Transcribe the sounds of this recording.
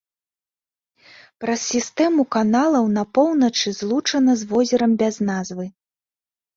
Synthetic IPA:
pɾɐsʲsʲist̪ɛmukanalˠɐwnɐpɔwnɐt͡ʂɨzlˠut͡ʂɐnɐzvɔzʲɛɾɐmbʲaznazvɨ

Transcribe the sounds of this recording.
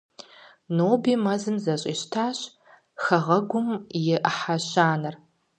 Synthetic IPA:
noːbiːmɐzɨmzɐɕʼḭːʃtʰaːɕ | xɐʁɐɡʷʊmjɪʔħaɕaːnɨr

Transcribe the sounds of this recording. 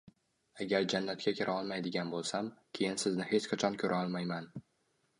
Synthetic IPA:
aɡʲaɾd͡ʒanːat̪kʲakʲɪɾʔaɒlˠmajd̪ɪɡʲanbolˠsamkʲʰe̞jɪnsɪznɪhe̞t͡ʃqʰɑt͡ʃʰɒnkʲʰɵɾʔaɒlˠmajman

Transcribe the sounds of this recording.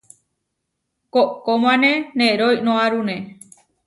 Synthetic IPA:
koʔkomãnẽnẽɾojnõaɾũnẽ

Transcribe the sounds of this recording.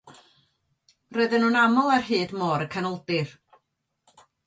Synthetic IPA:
roɨðɪnuːnamɔlˠarɦɨːdmɔːɾəkʰanɔlˠdɪr

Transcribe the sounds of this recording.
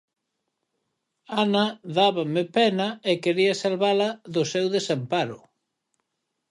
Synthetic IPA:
anaðaβamɪpɛnaekeɾiɐsalβalɐðʊsewðesampaɾʊ

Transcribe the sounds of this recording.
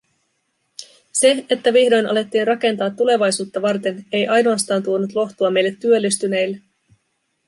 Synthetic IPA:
se̞et̪ːæʋihdo̞jnʔɑ̰le̞t̪ːiːnrɑk̟e̞nt̪ɑːt̪ːule̞ʋɑjsuːt̪ːɑʋɑrt̪e̞ne̞jʔɑjnoɑst̪ɑːnt̪uo̞nut̪lo̞xt̪uɑme̞jlːe̞t̪ːyø̞lːist̪yne̞jlːe

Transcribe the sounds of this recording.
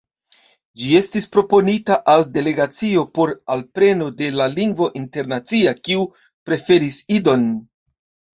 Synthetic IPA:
d͡ʒie̞stispɾo̞po̞nitaʔalde̞le̞ɡat͡sio̞po̞ɾalpɾe̞no̞de̞laliŋɡvo̞ʔinte̞ɾnat͡siakiu | pɾe̞fe̞ɾisido̞n

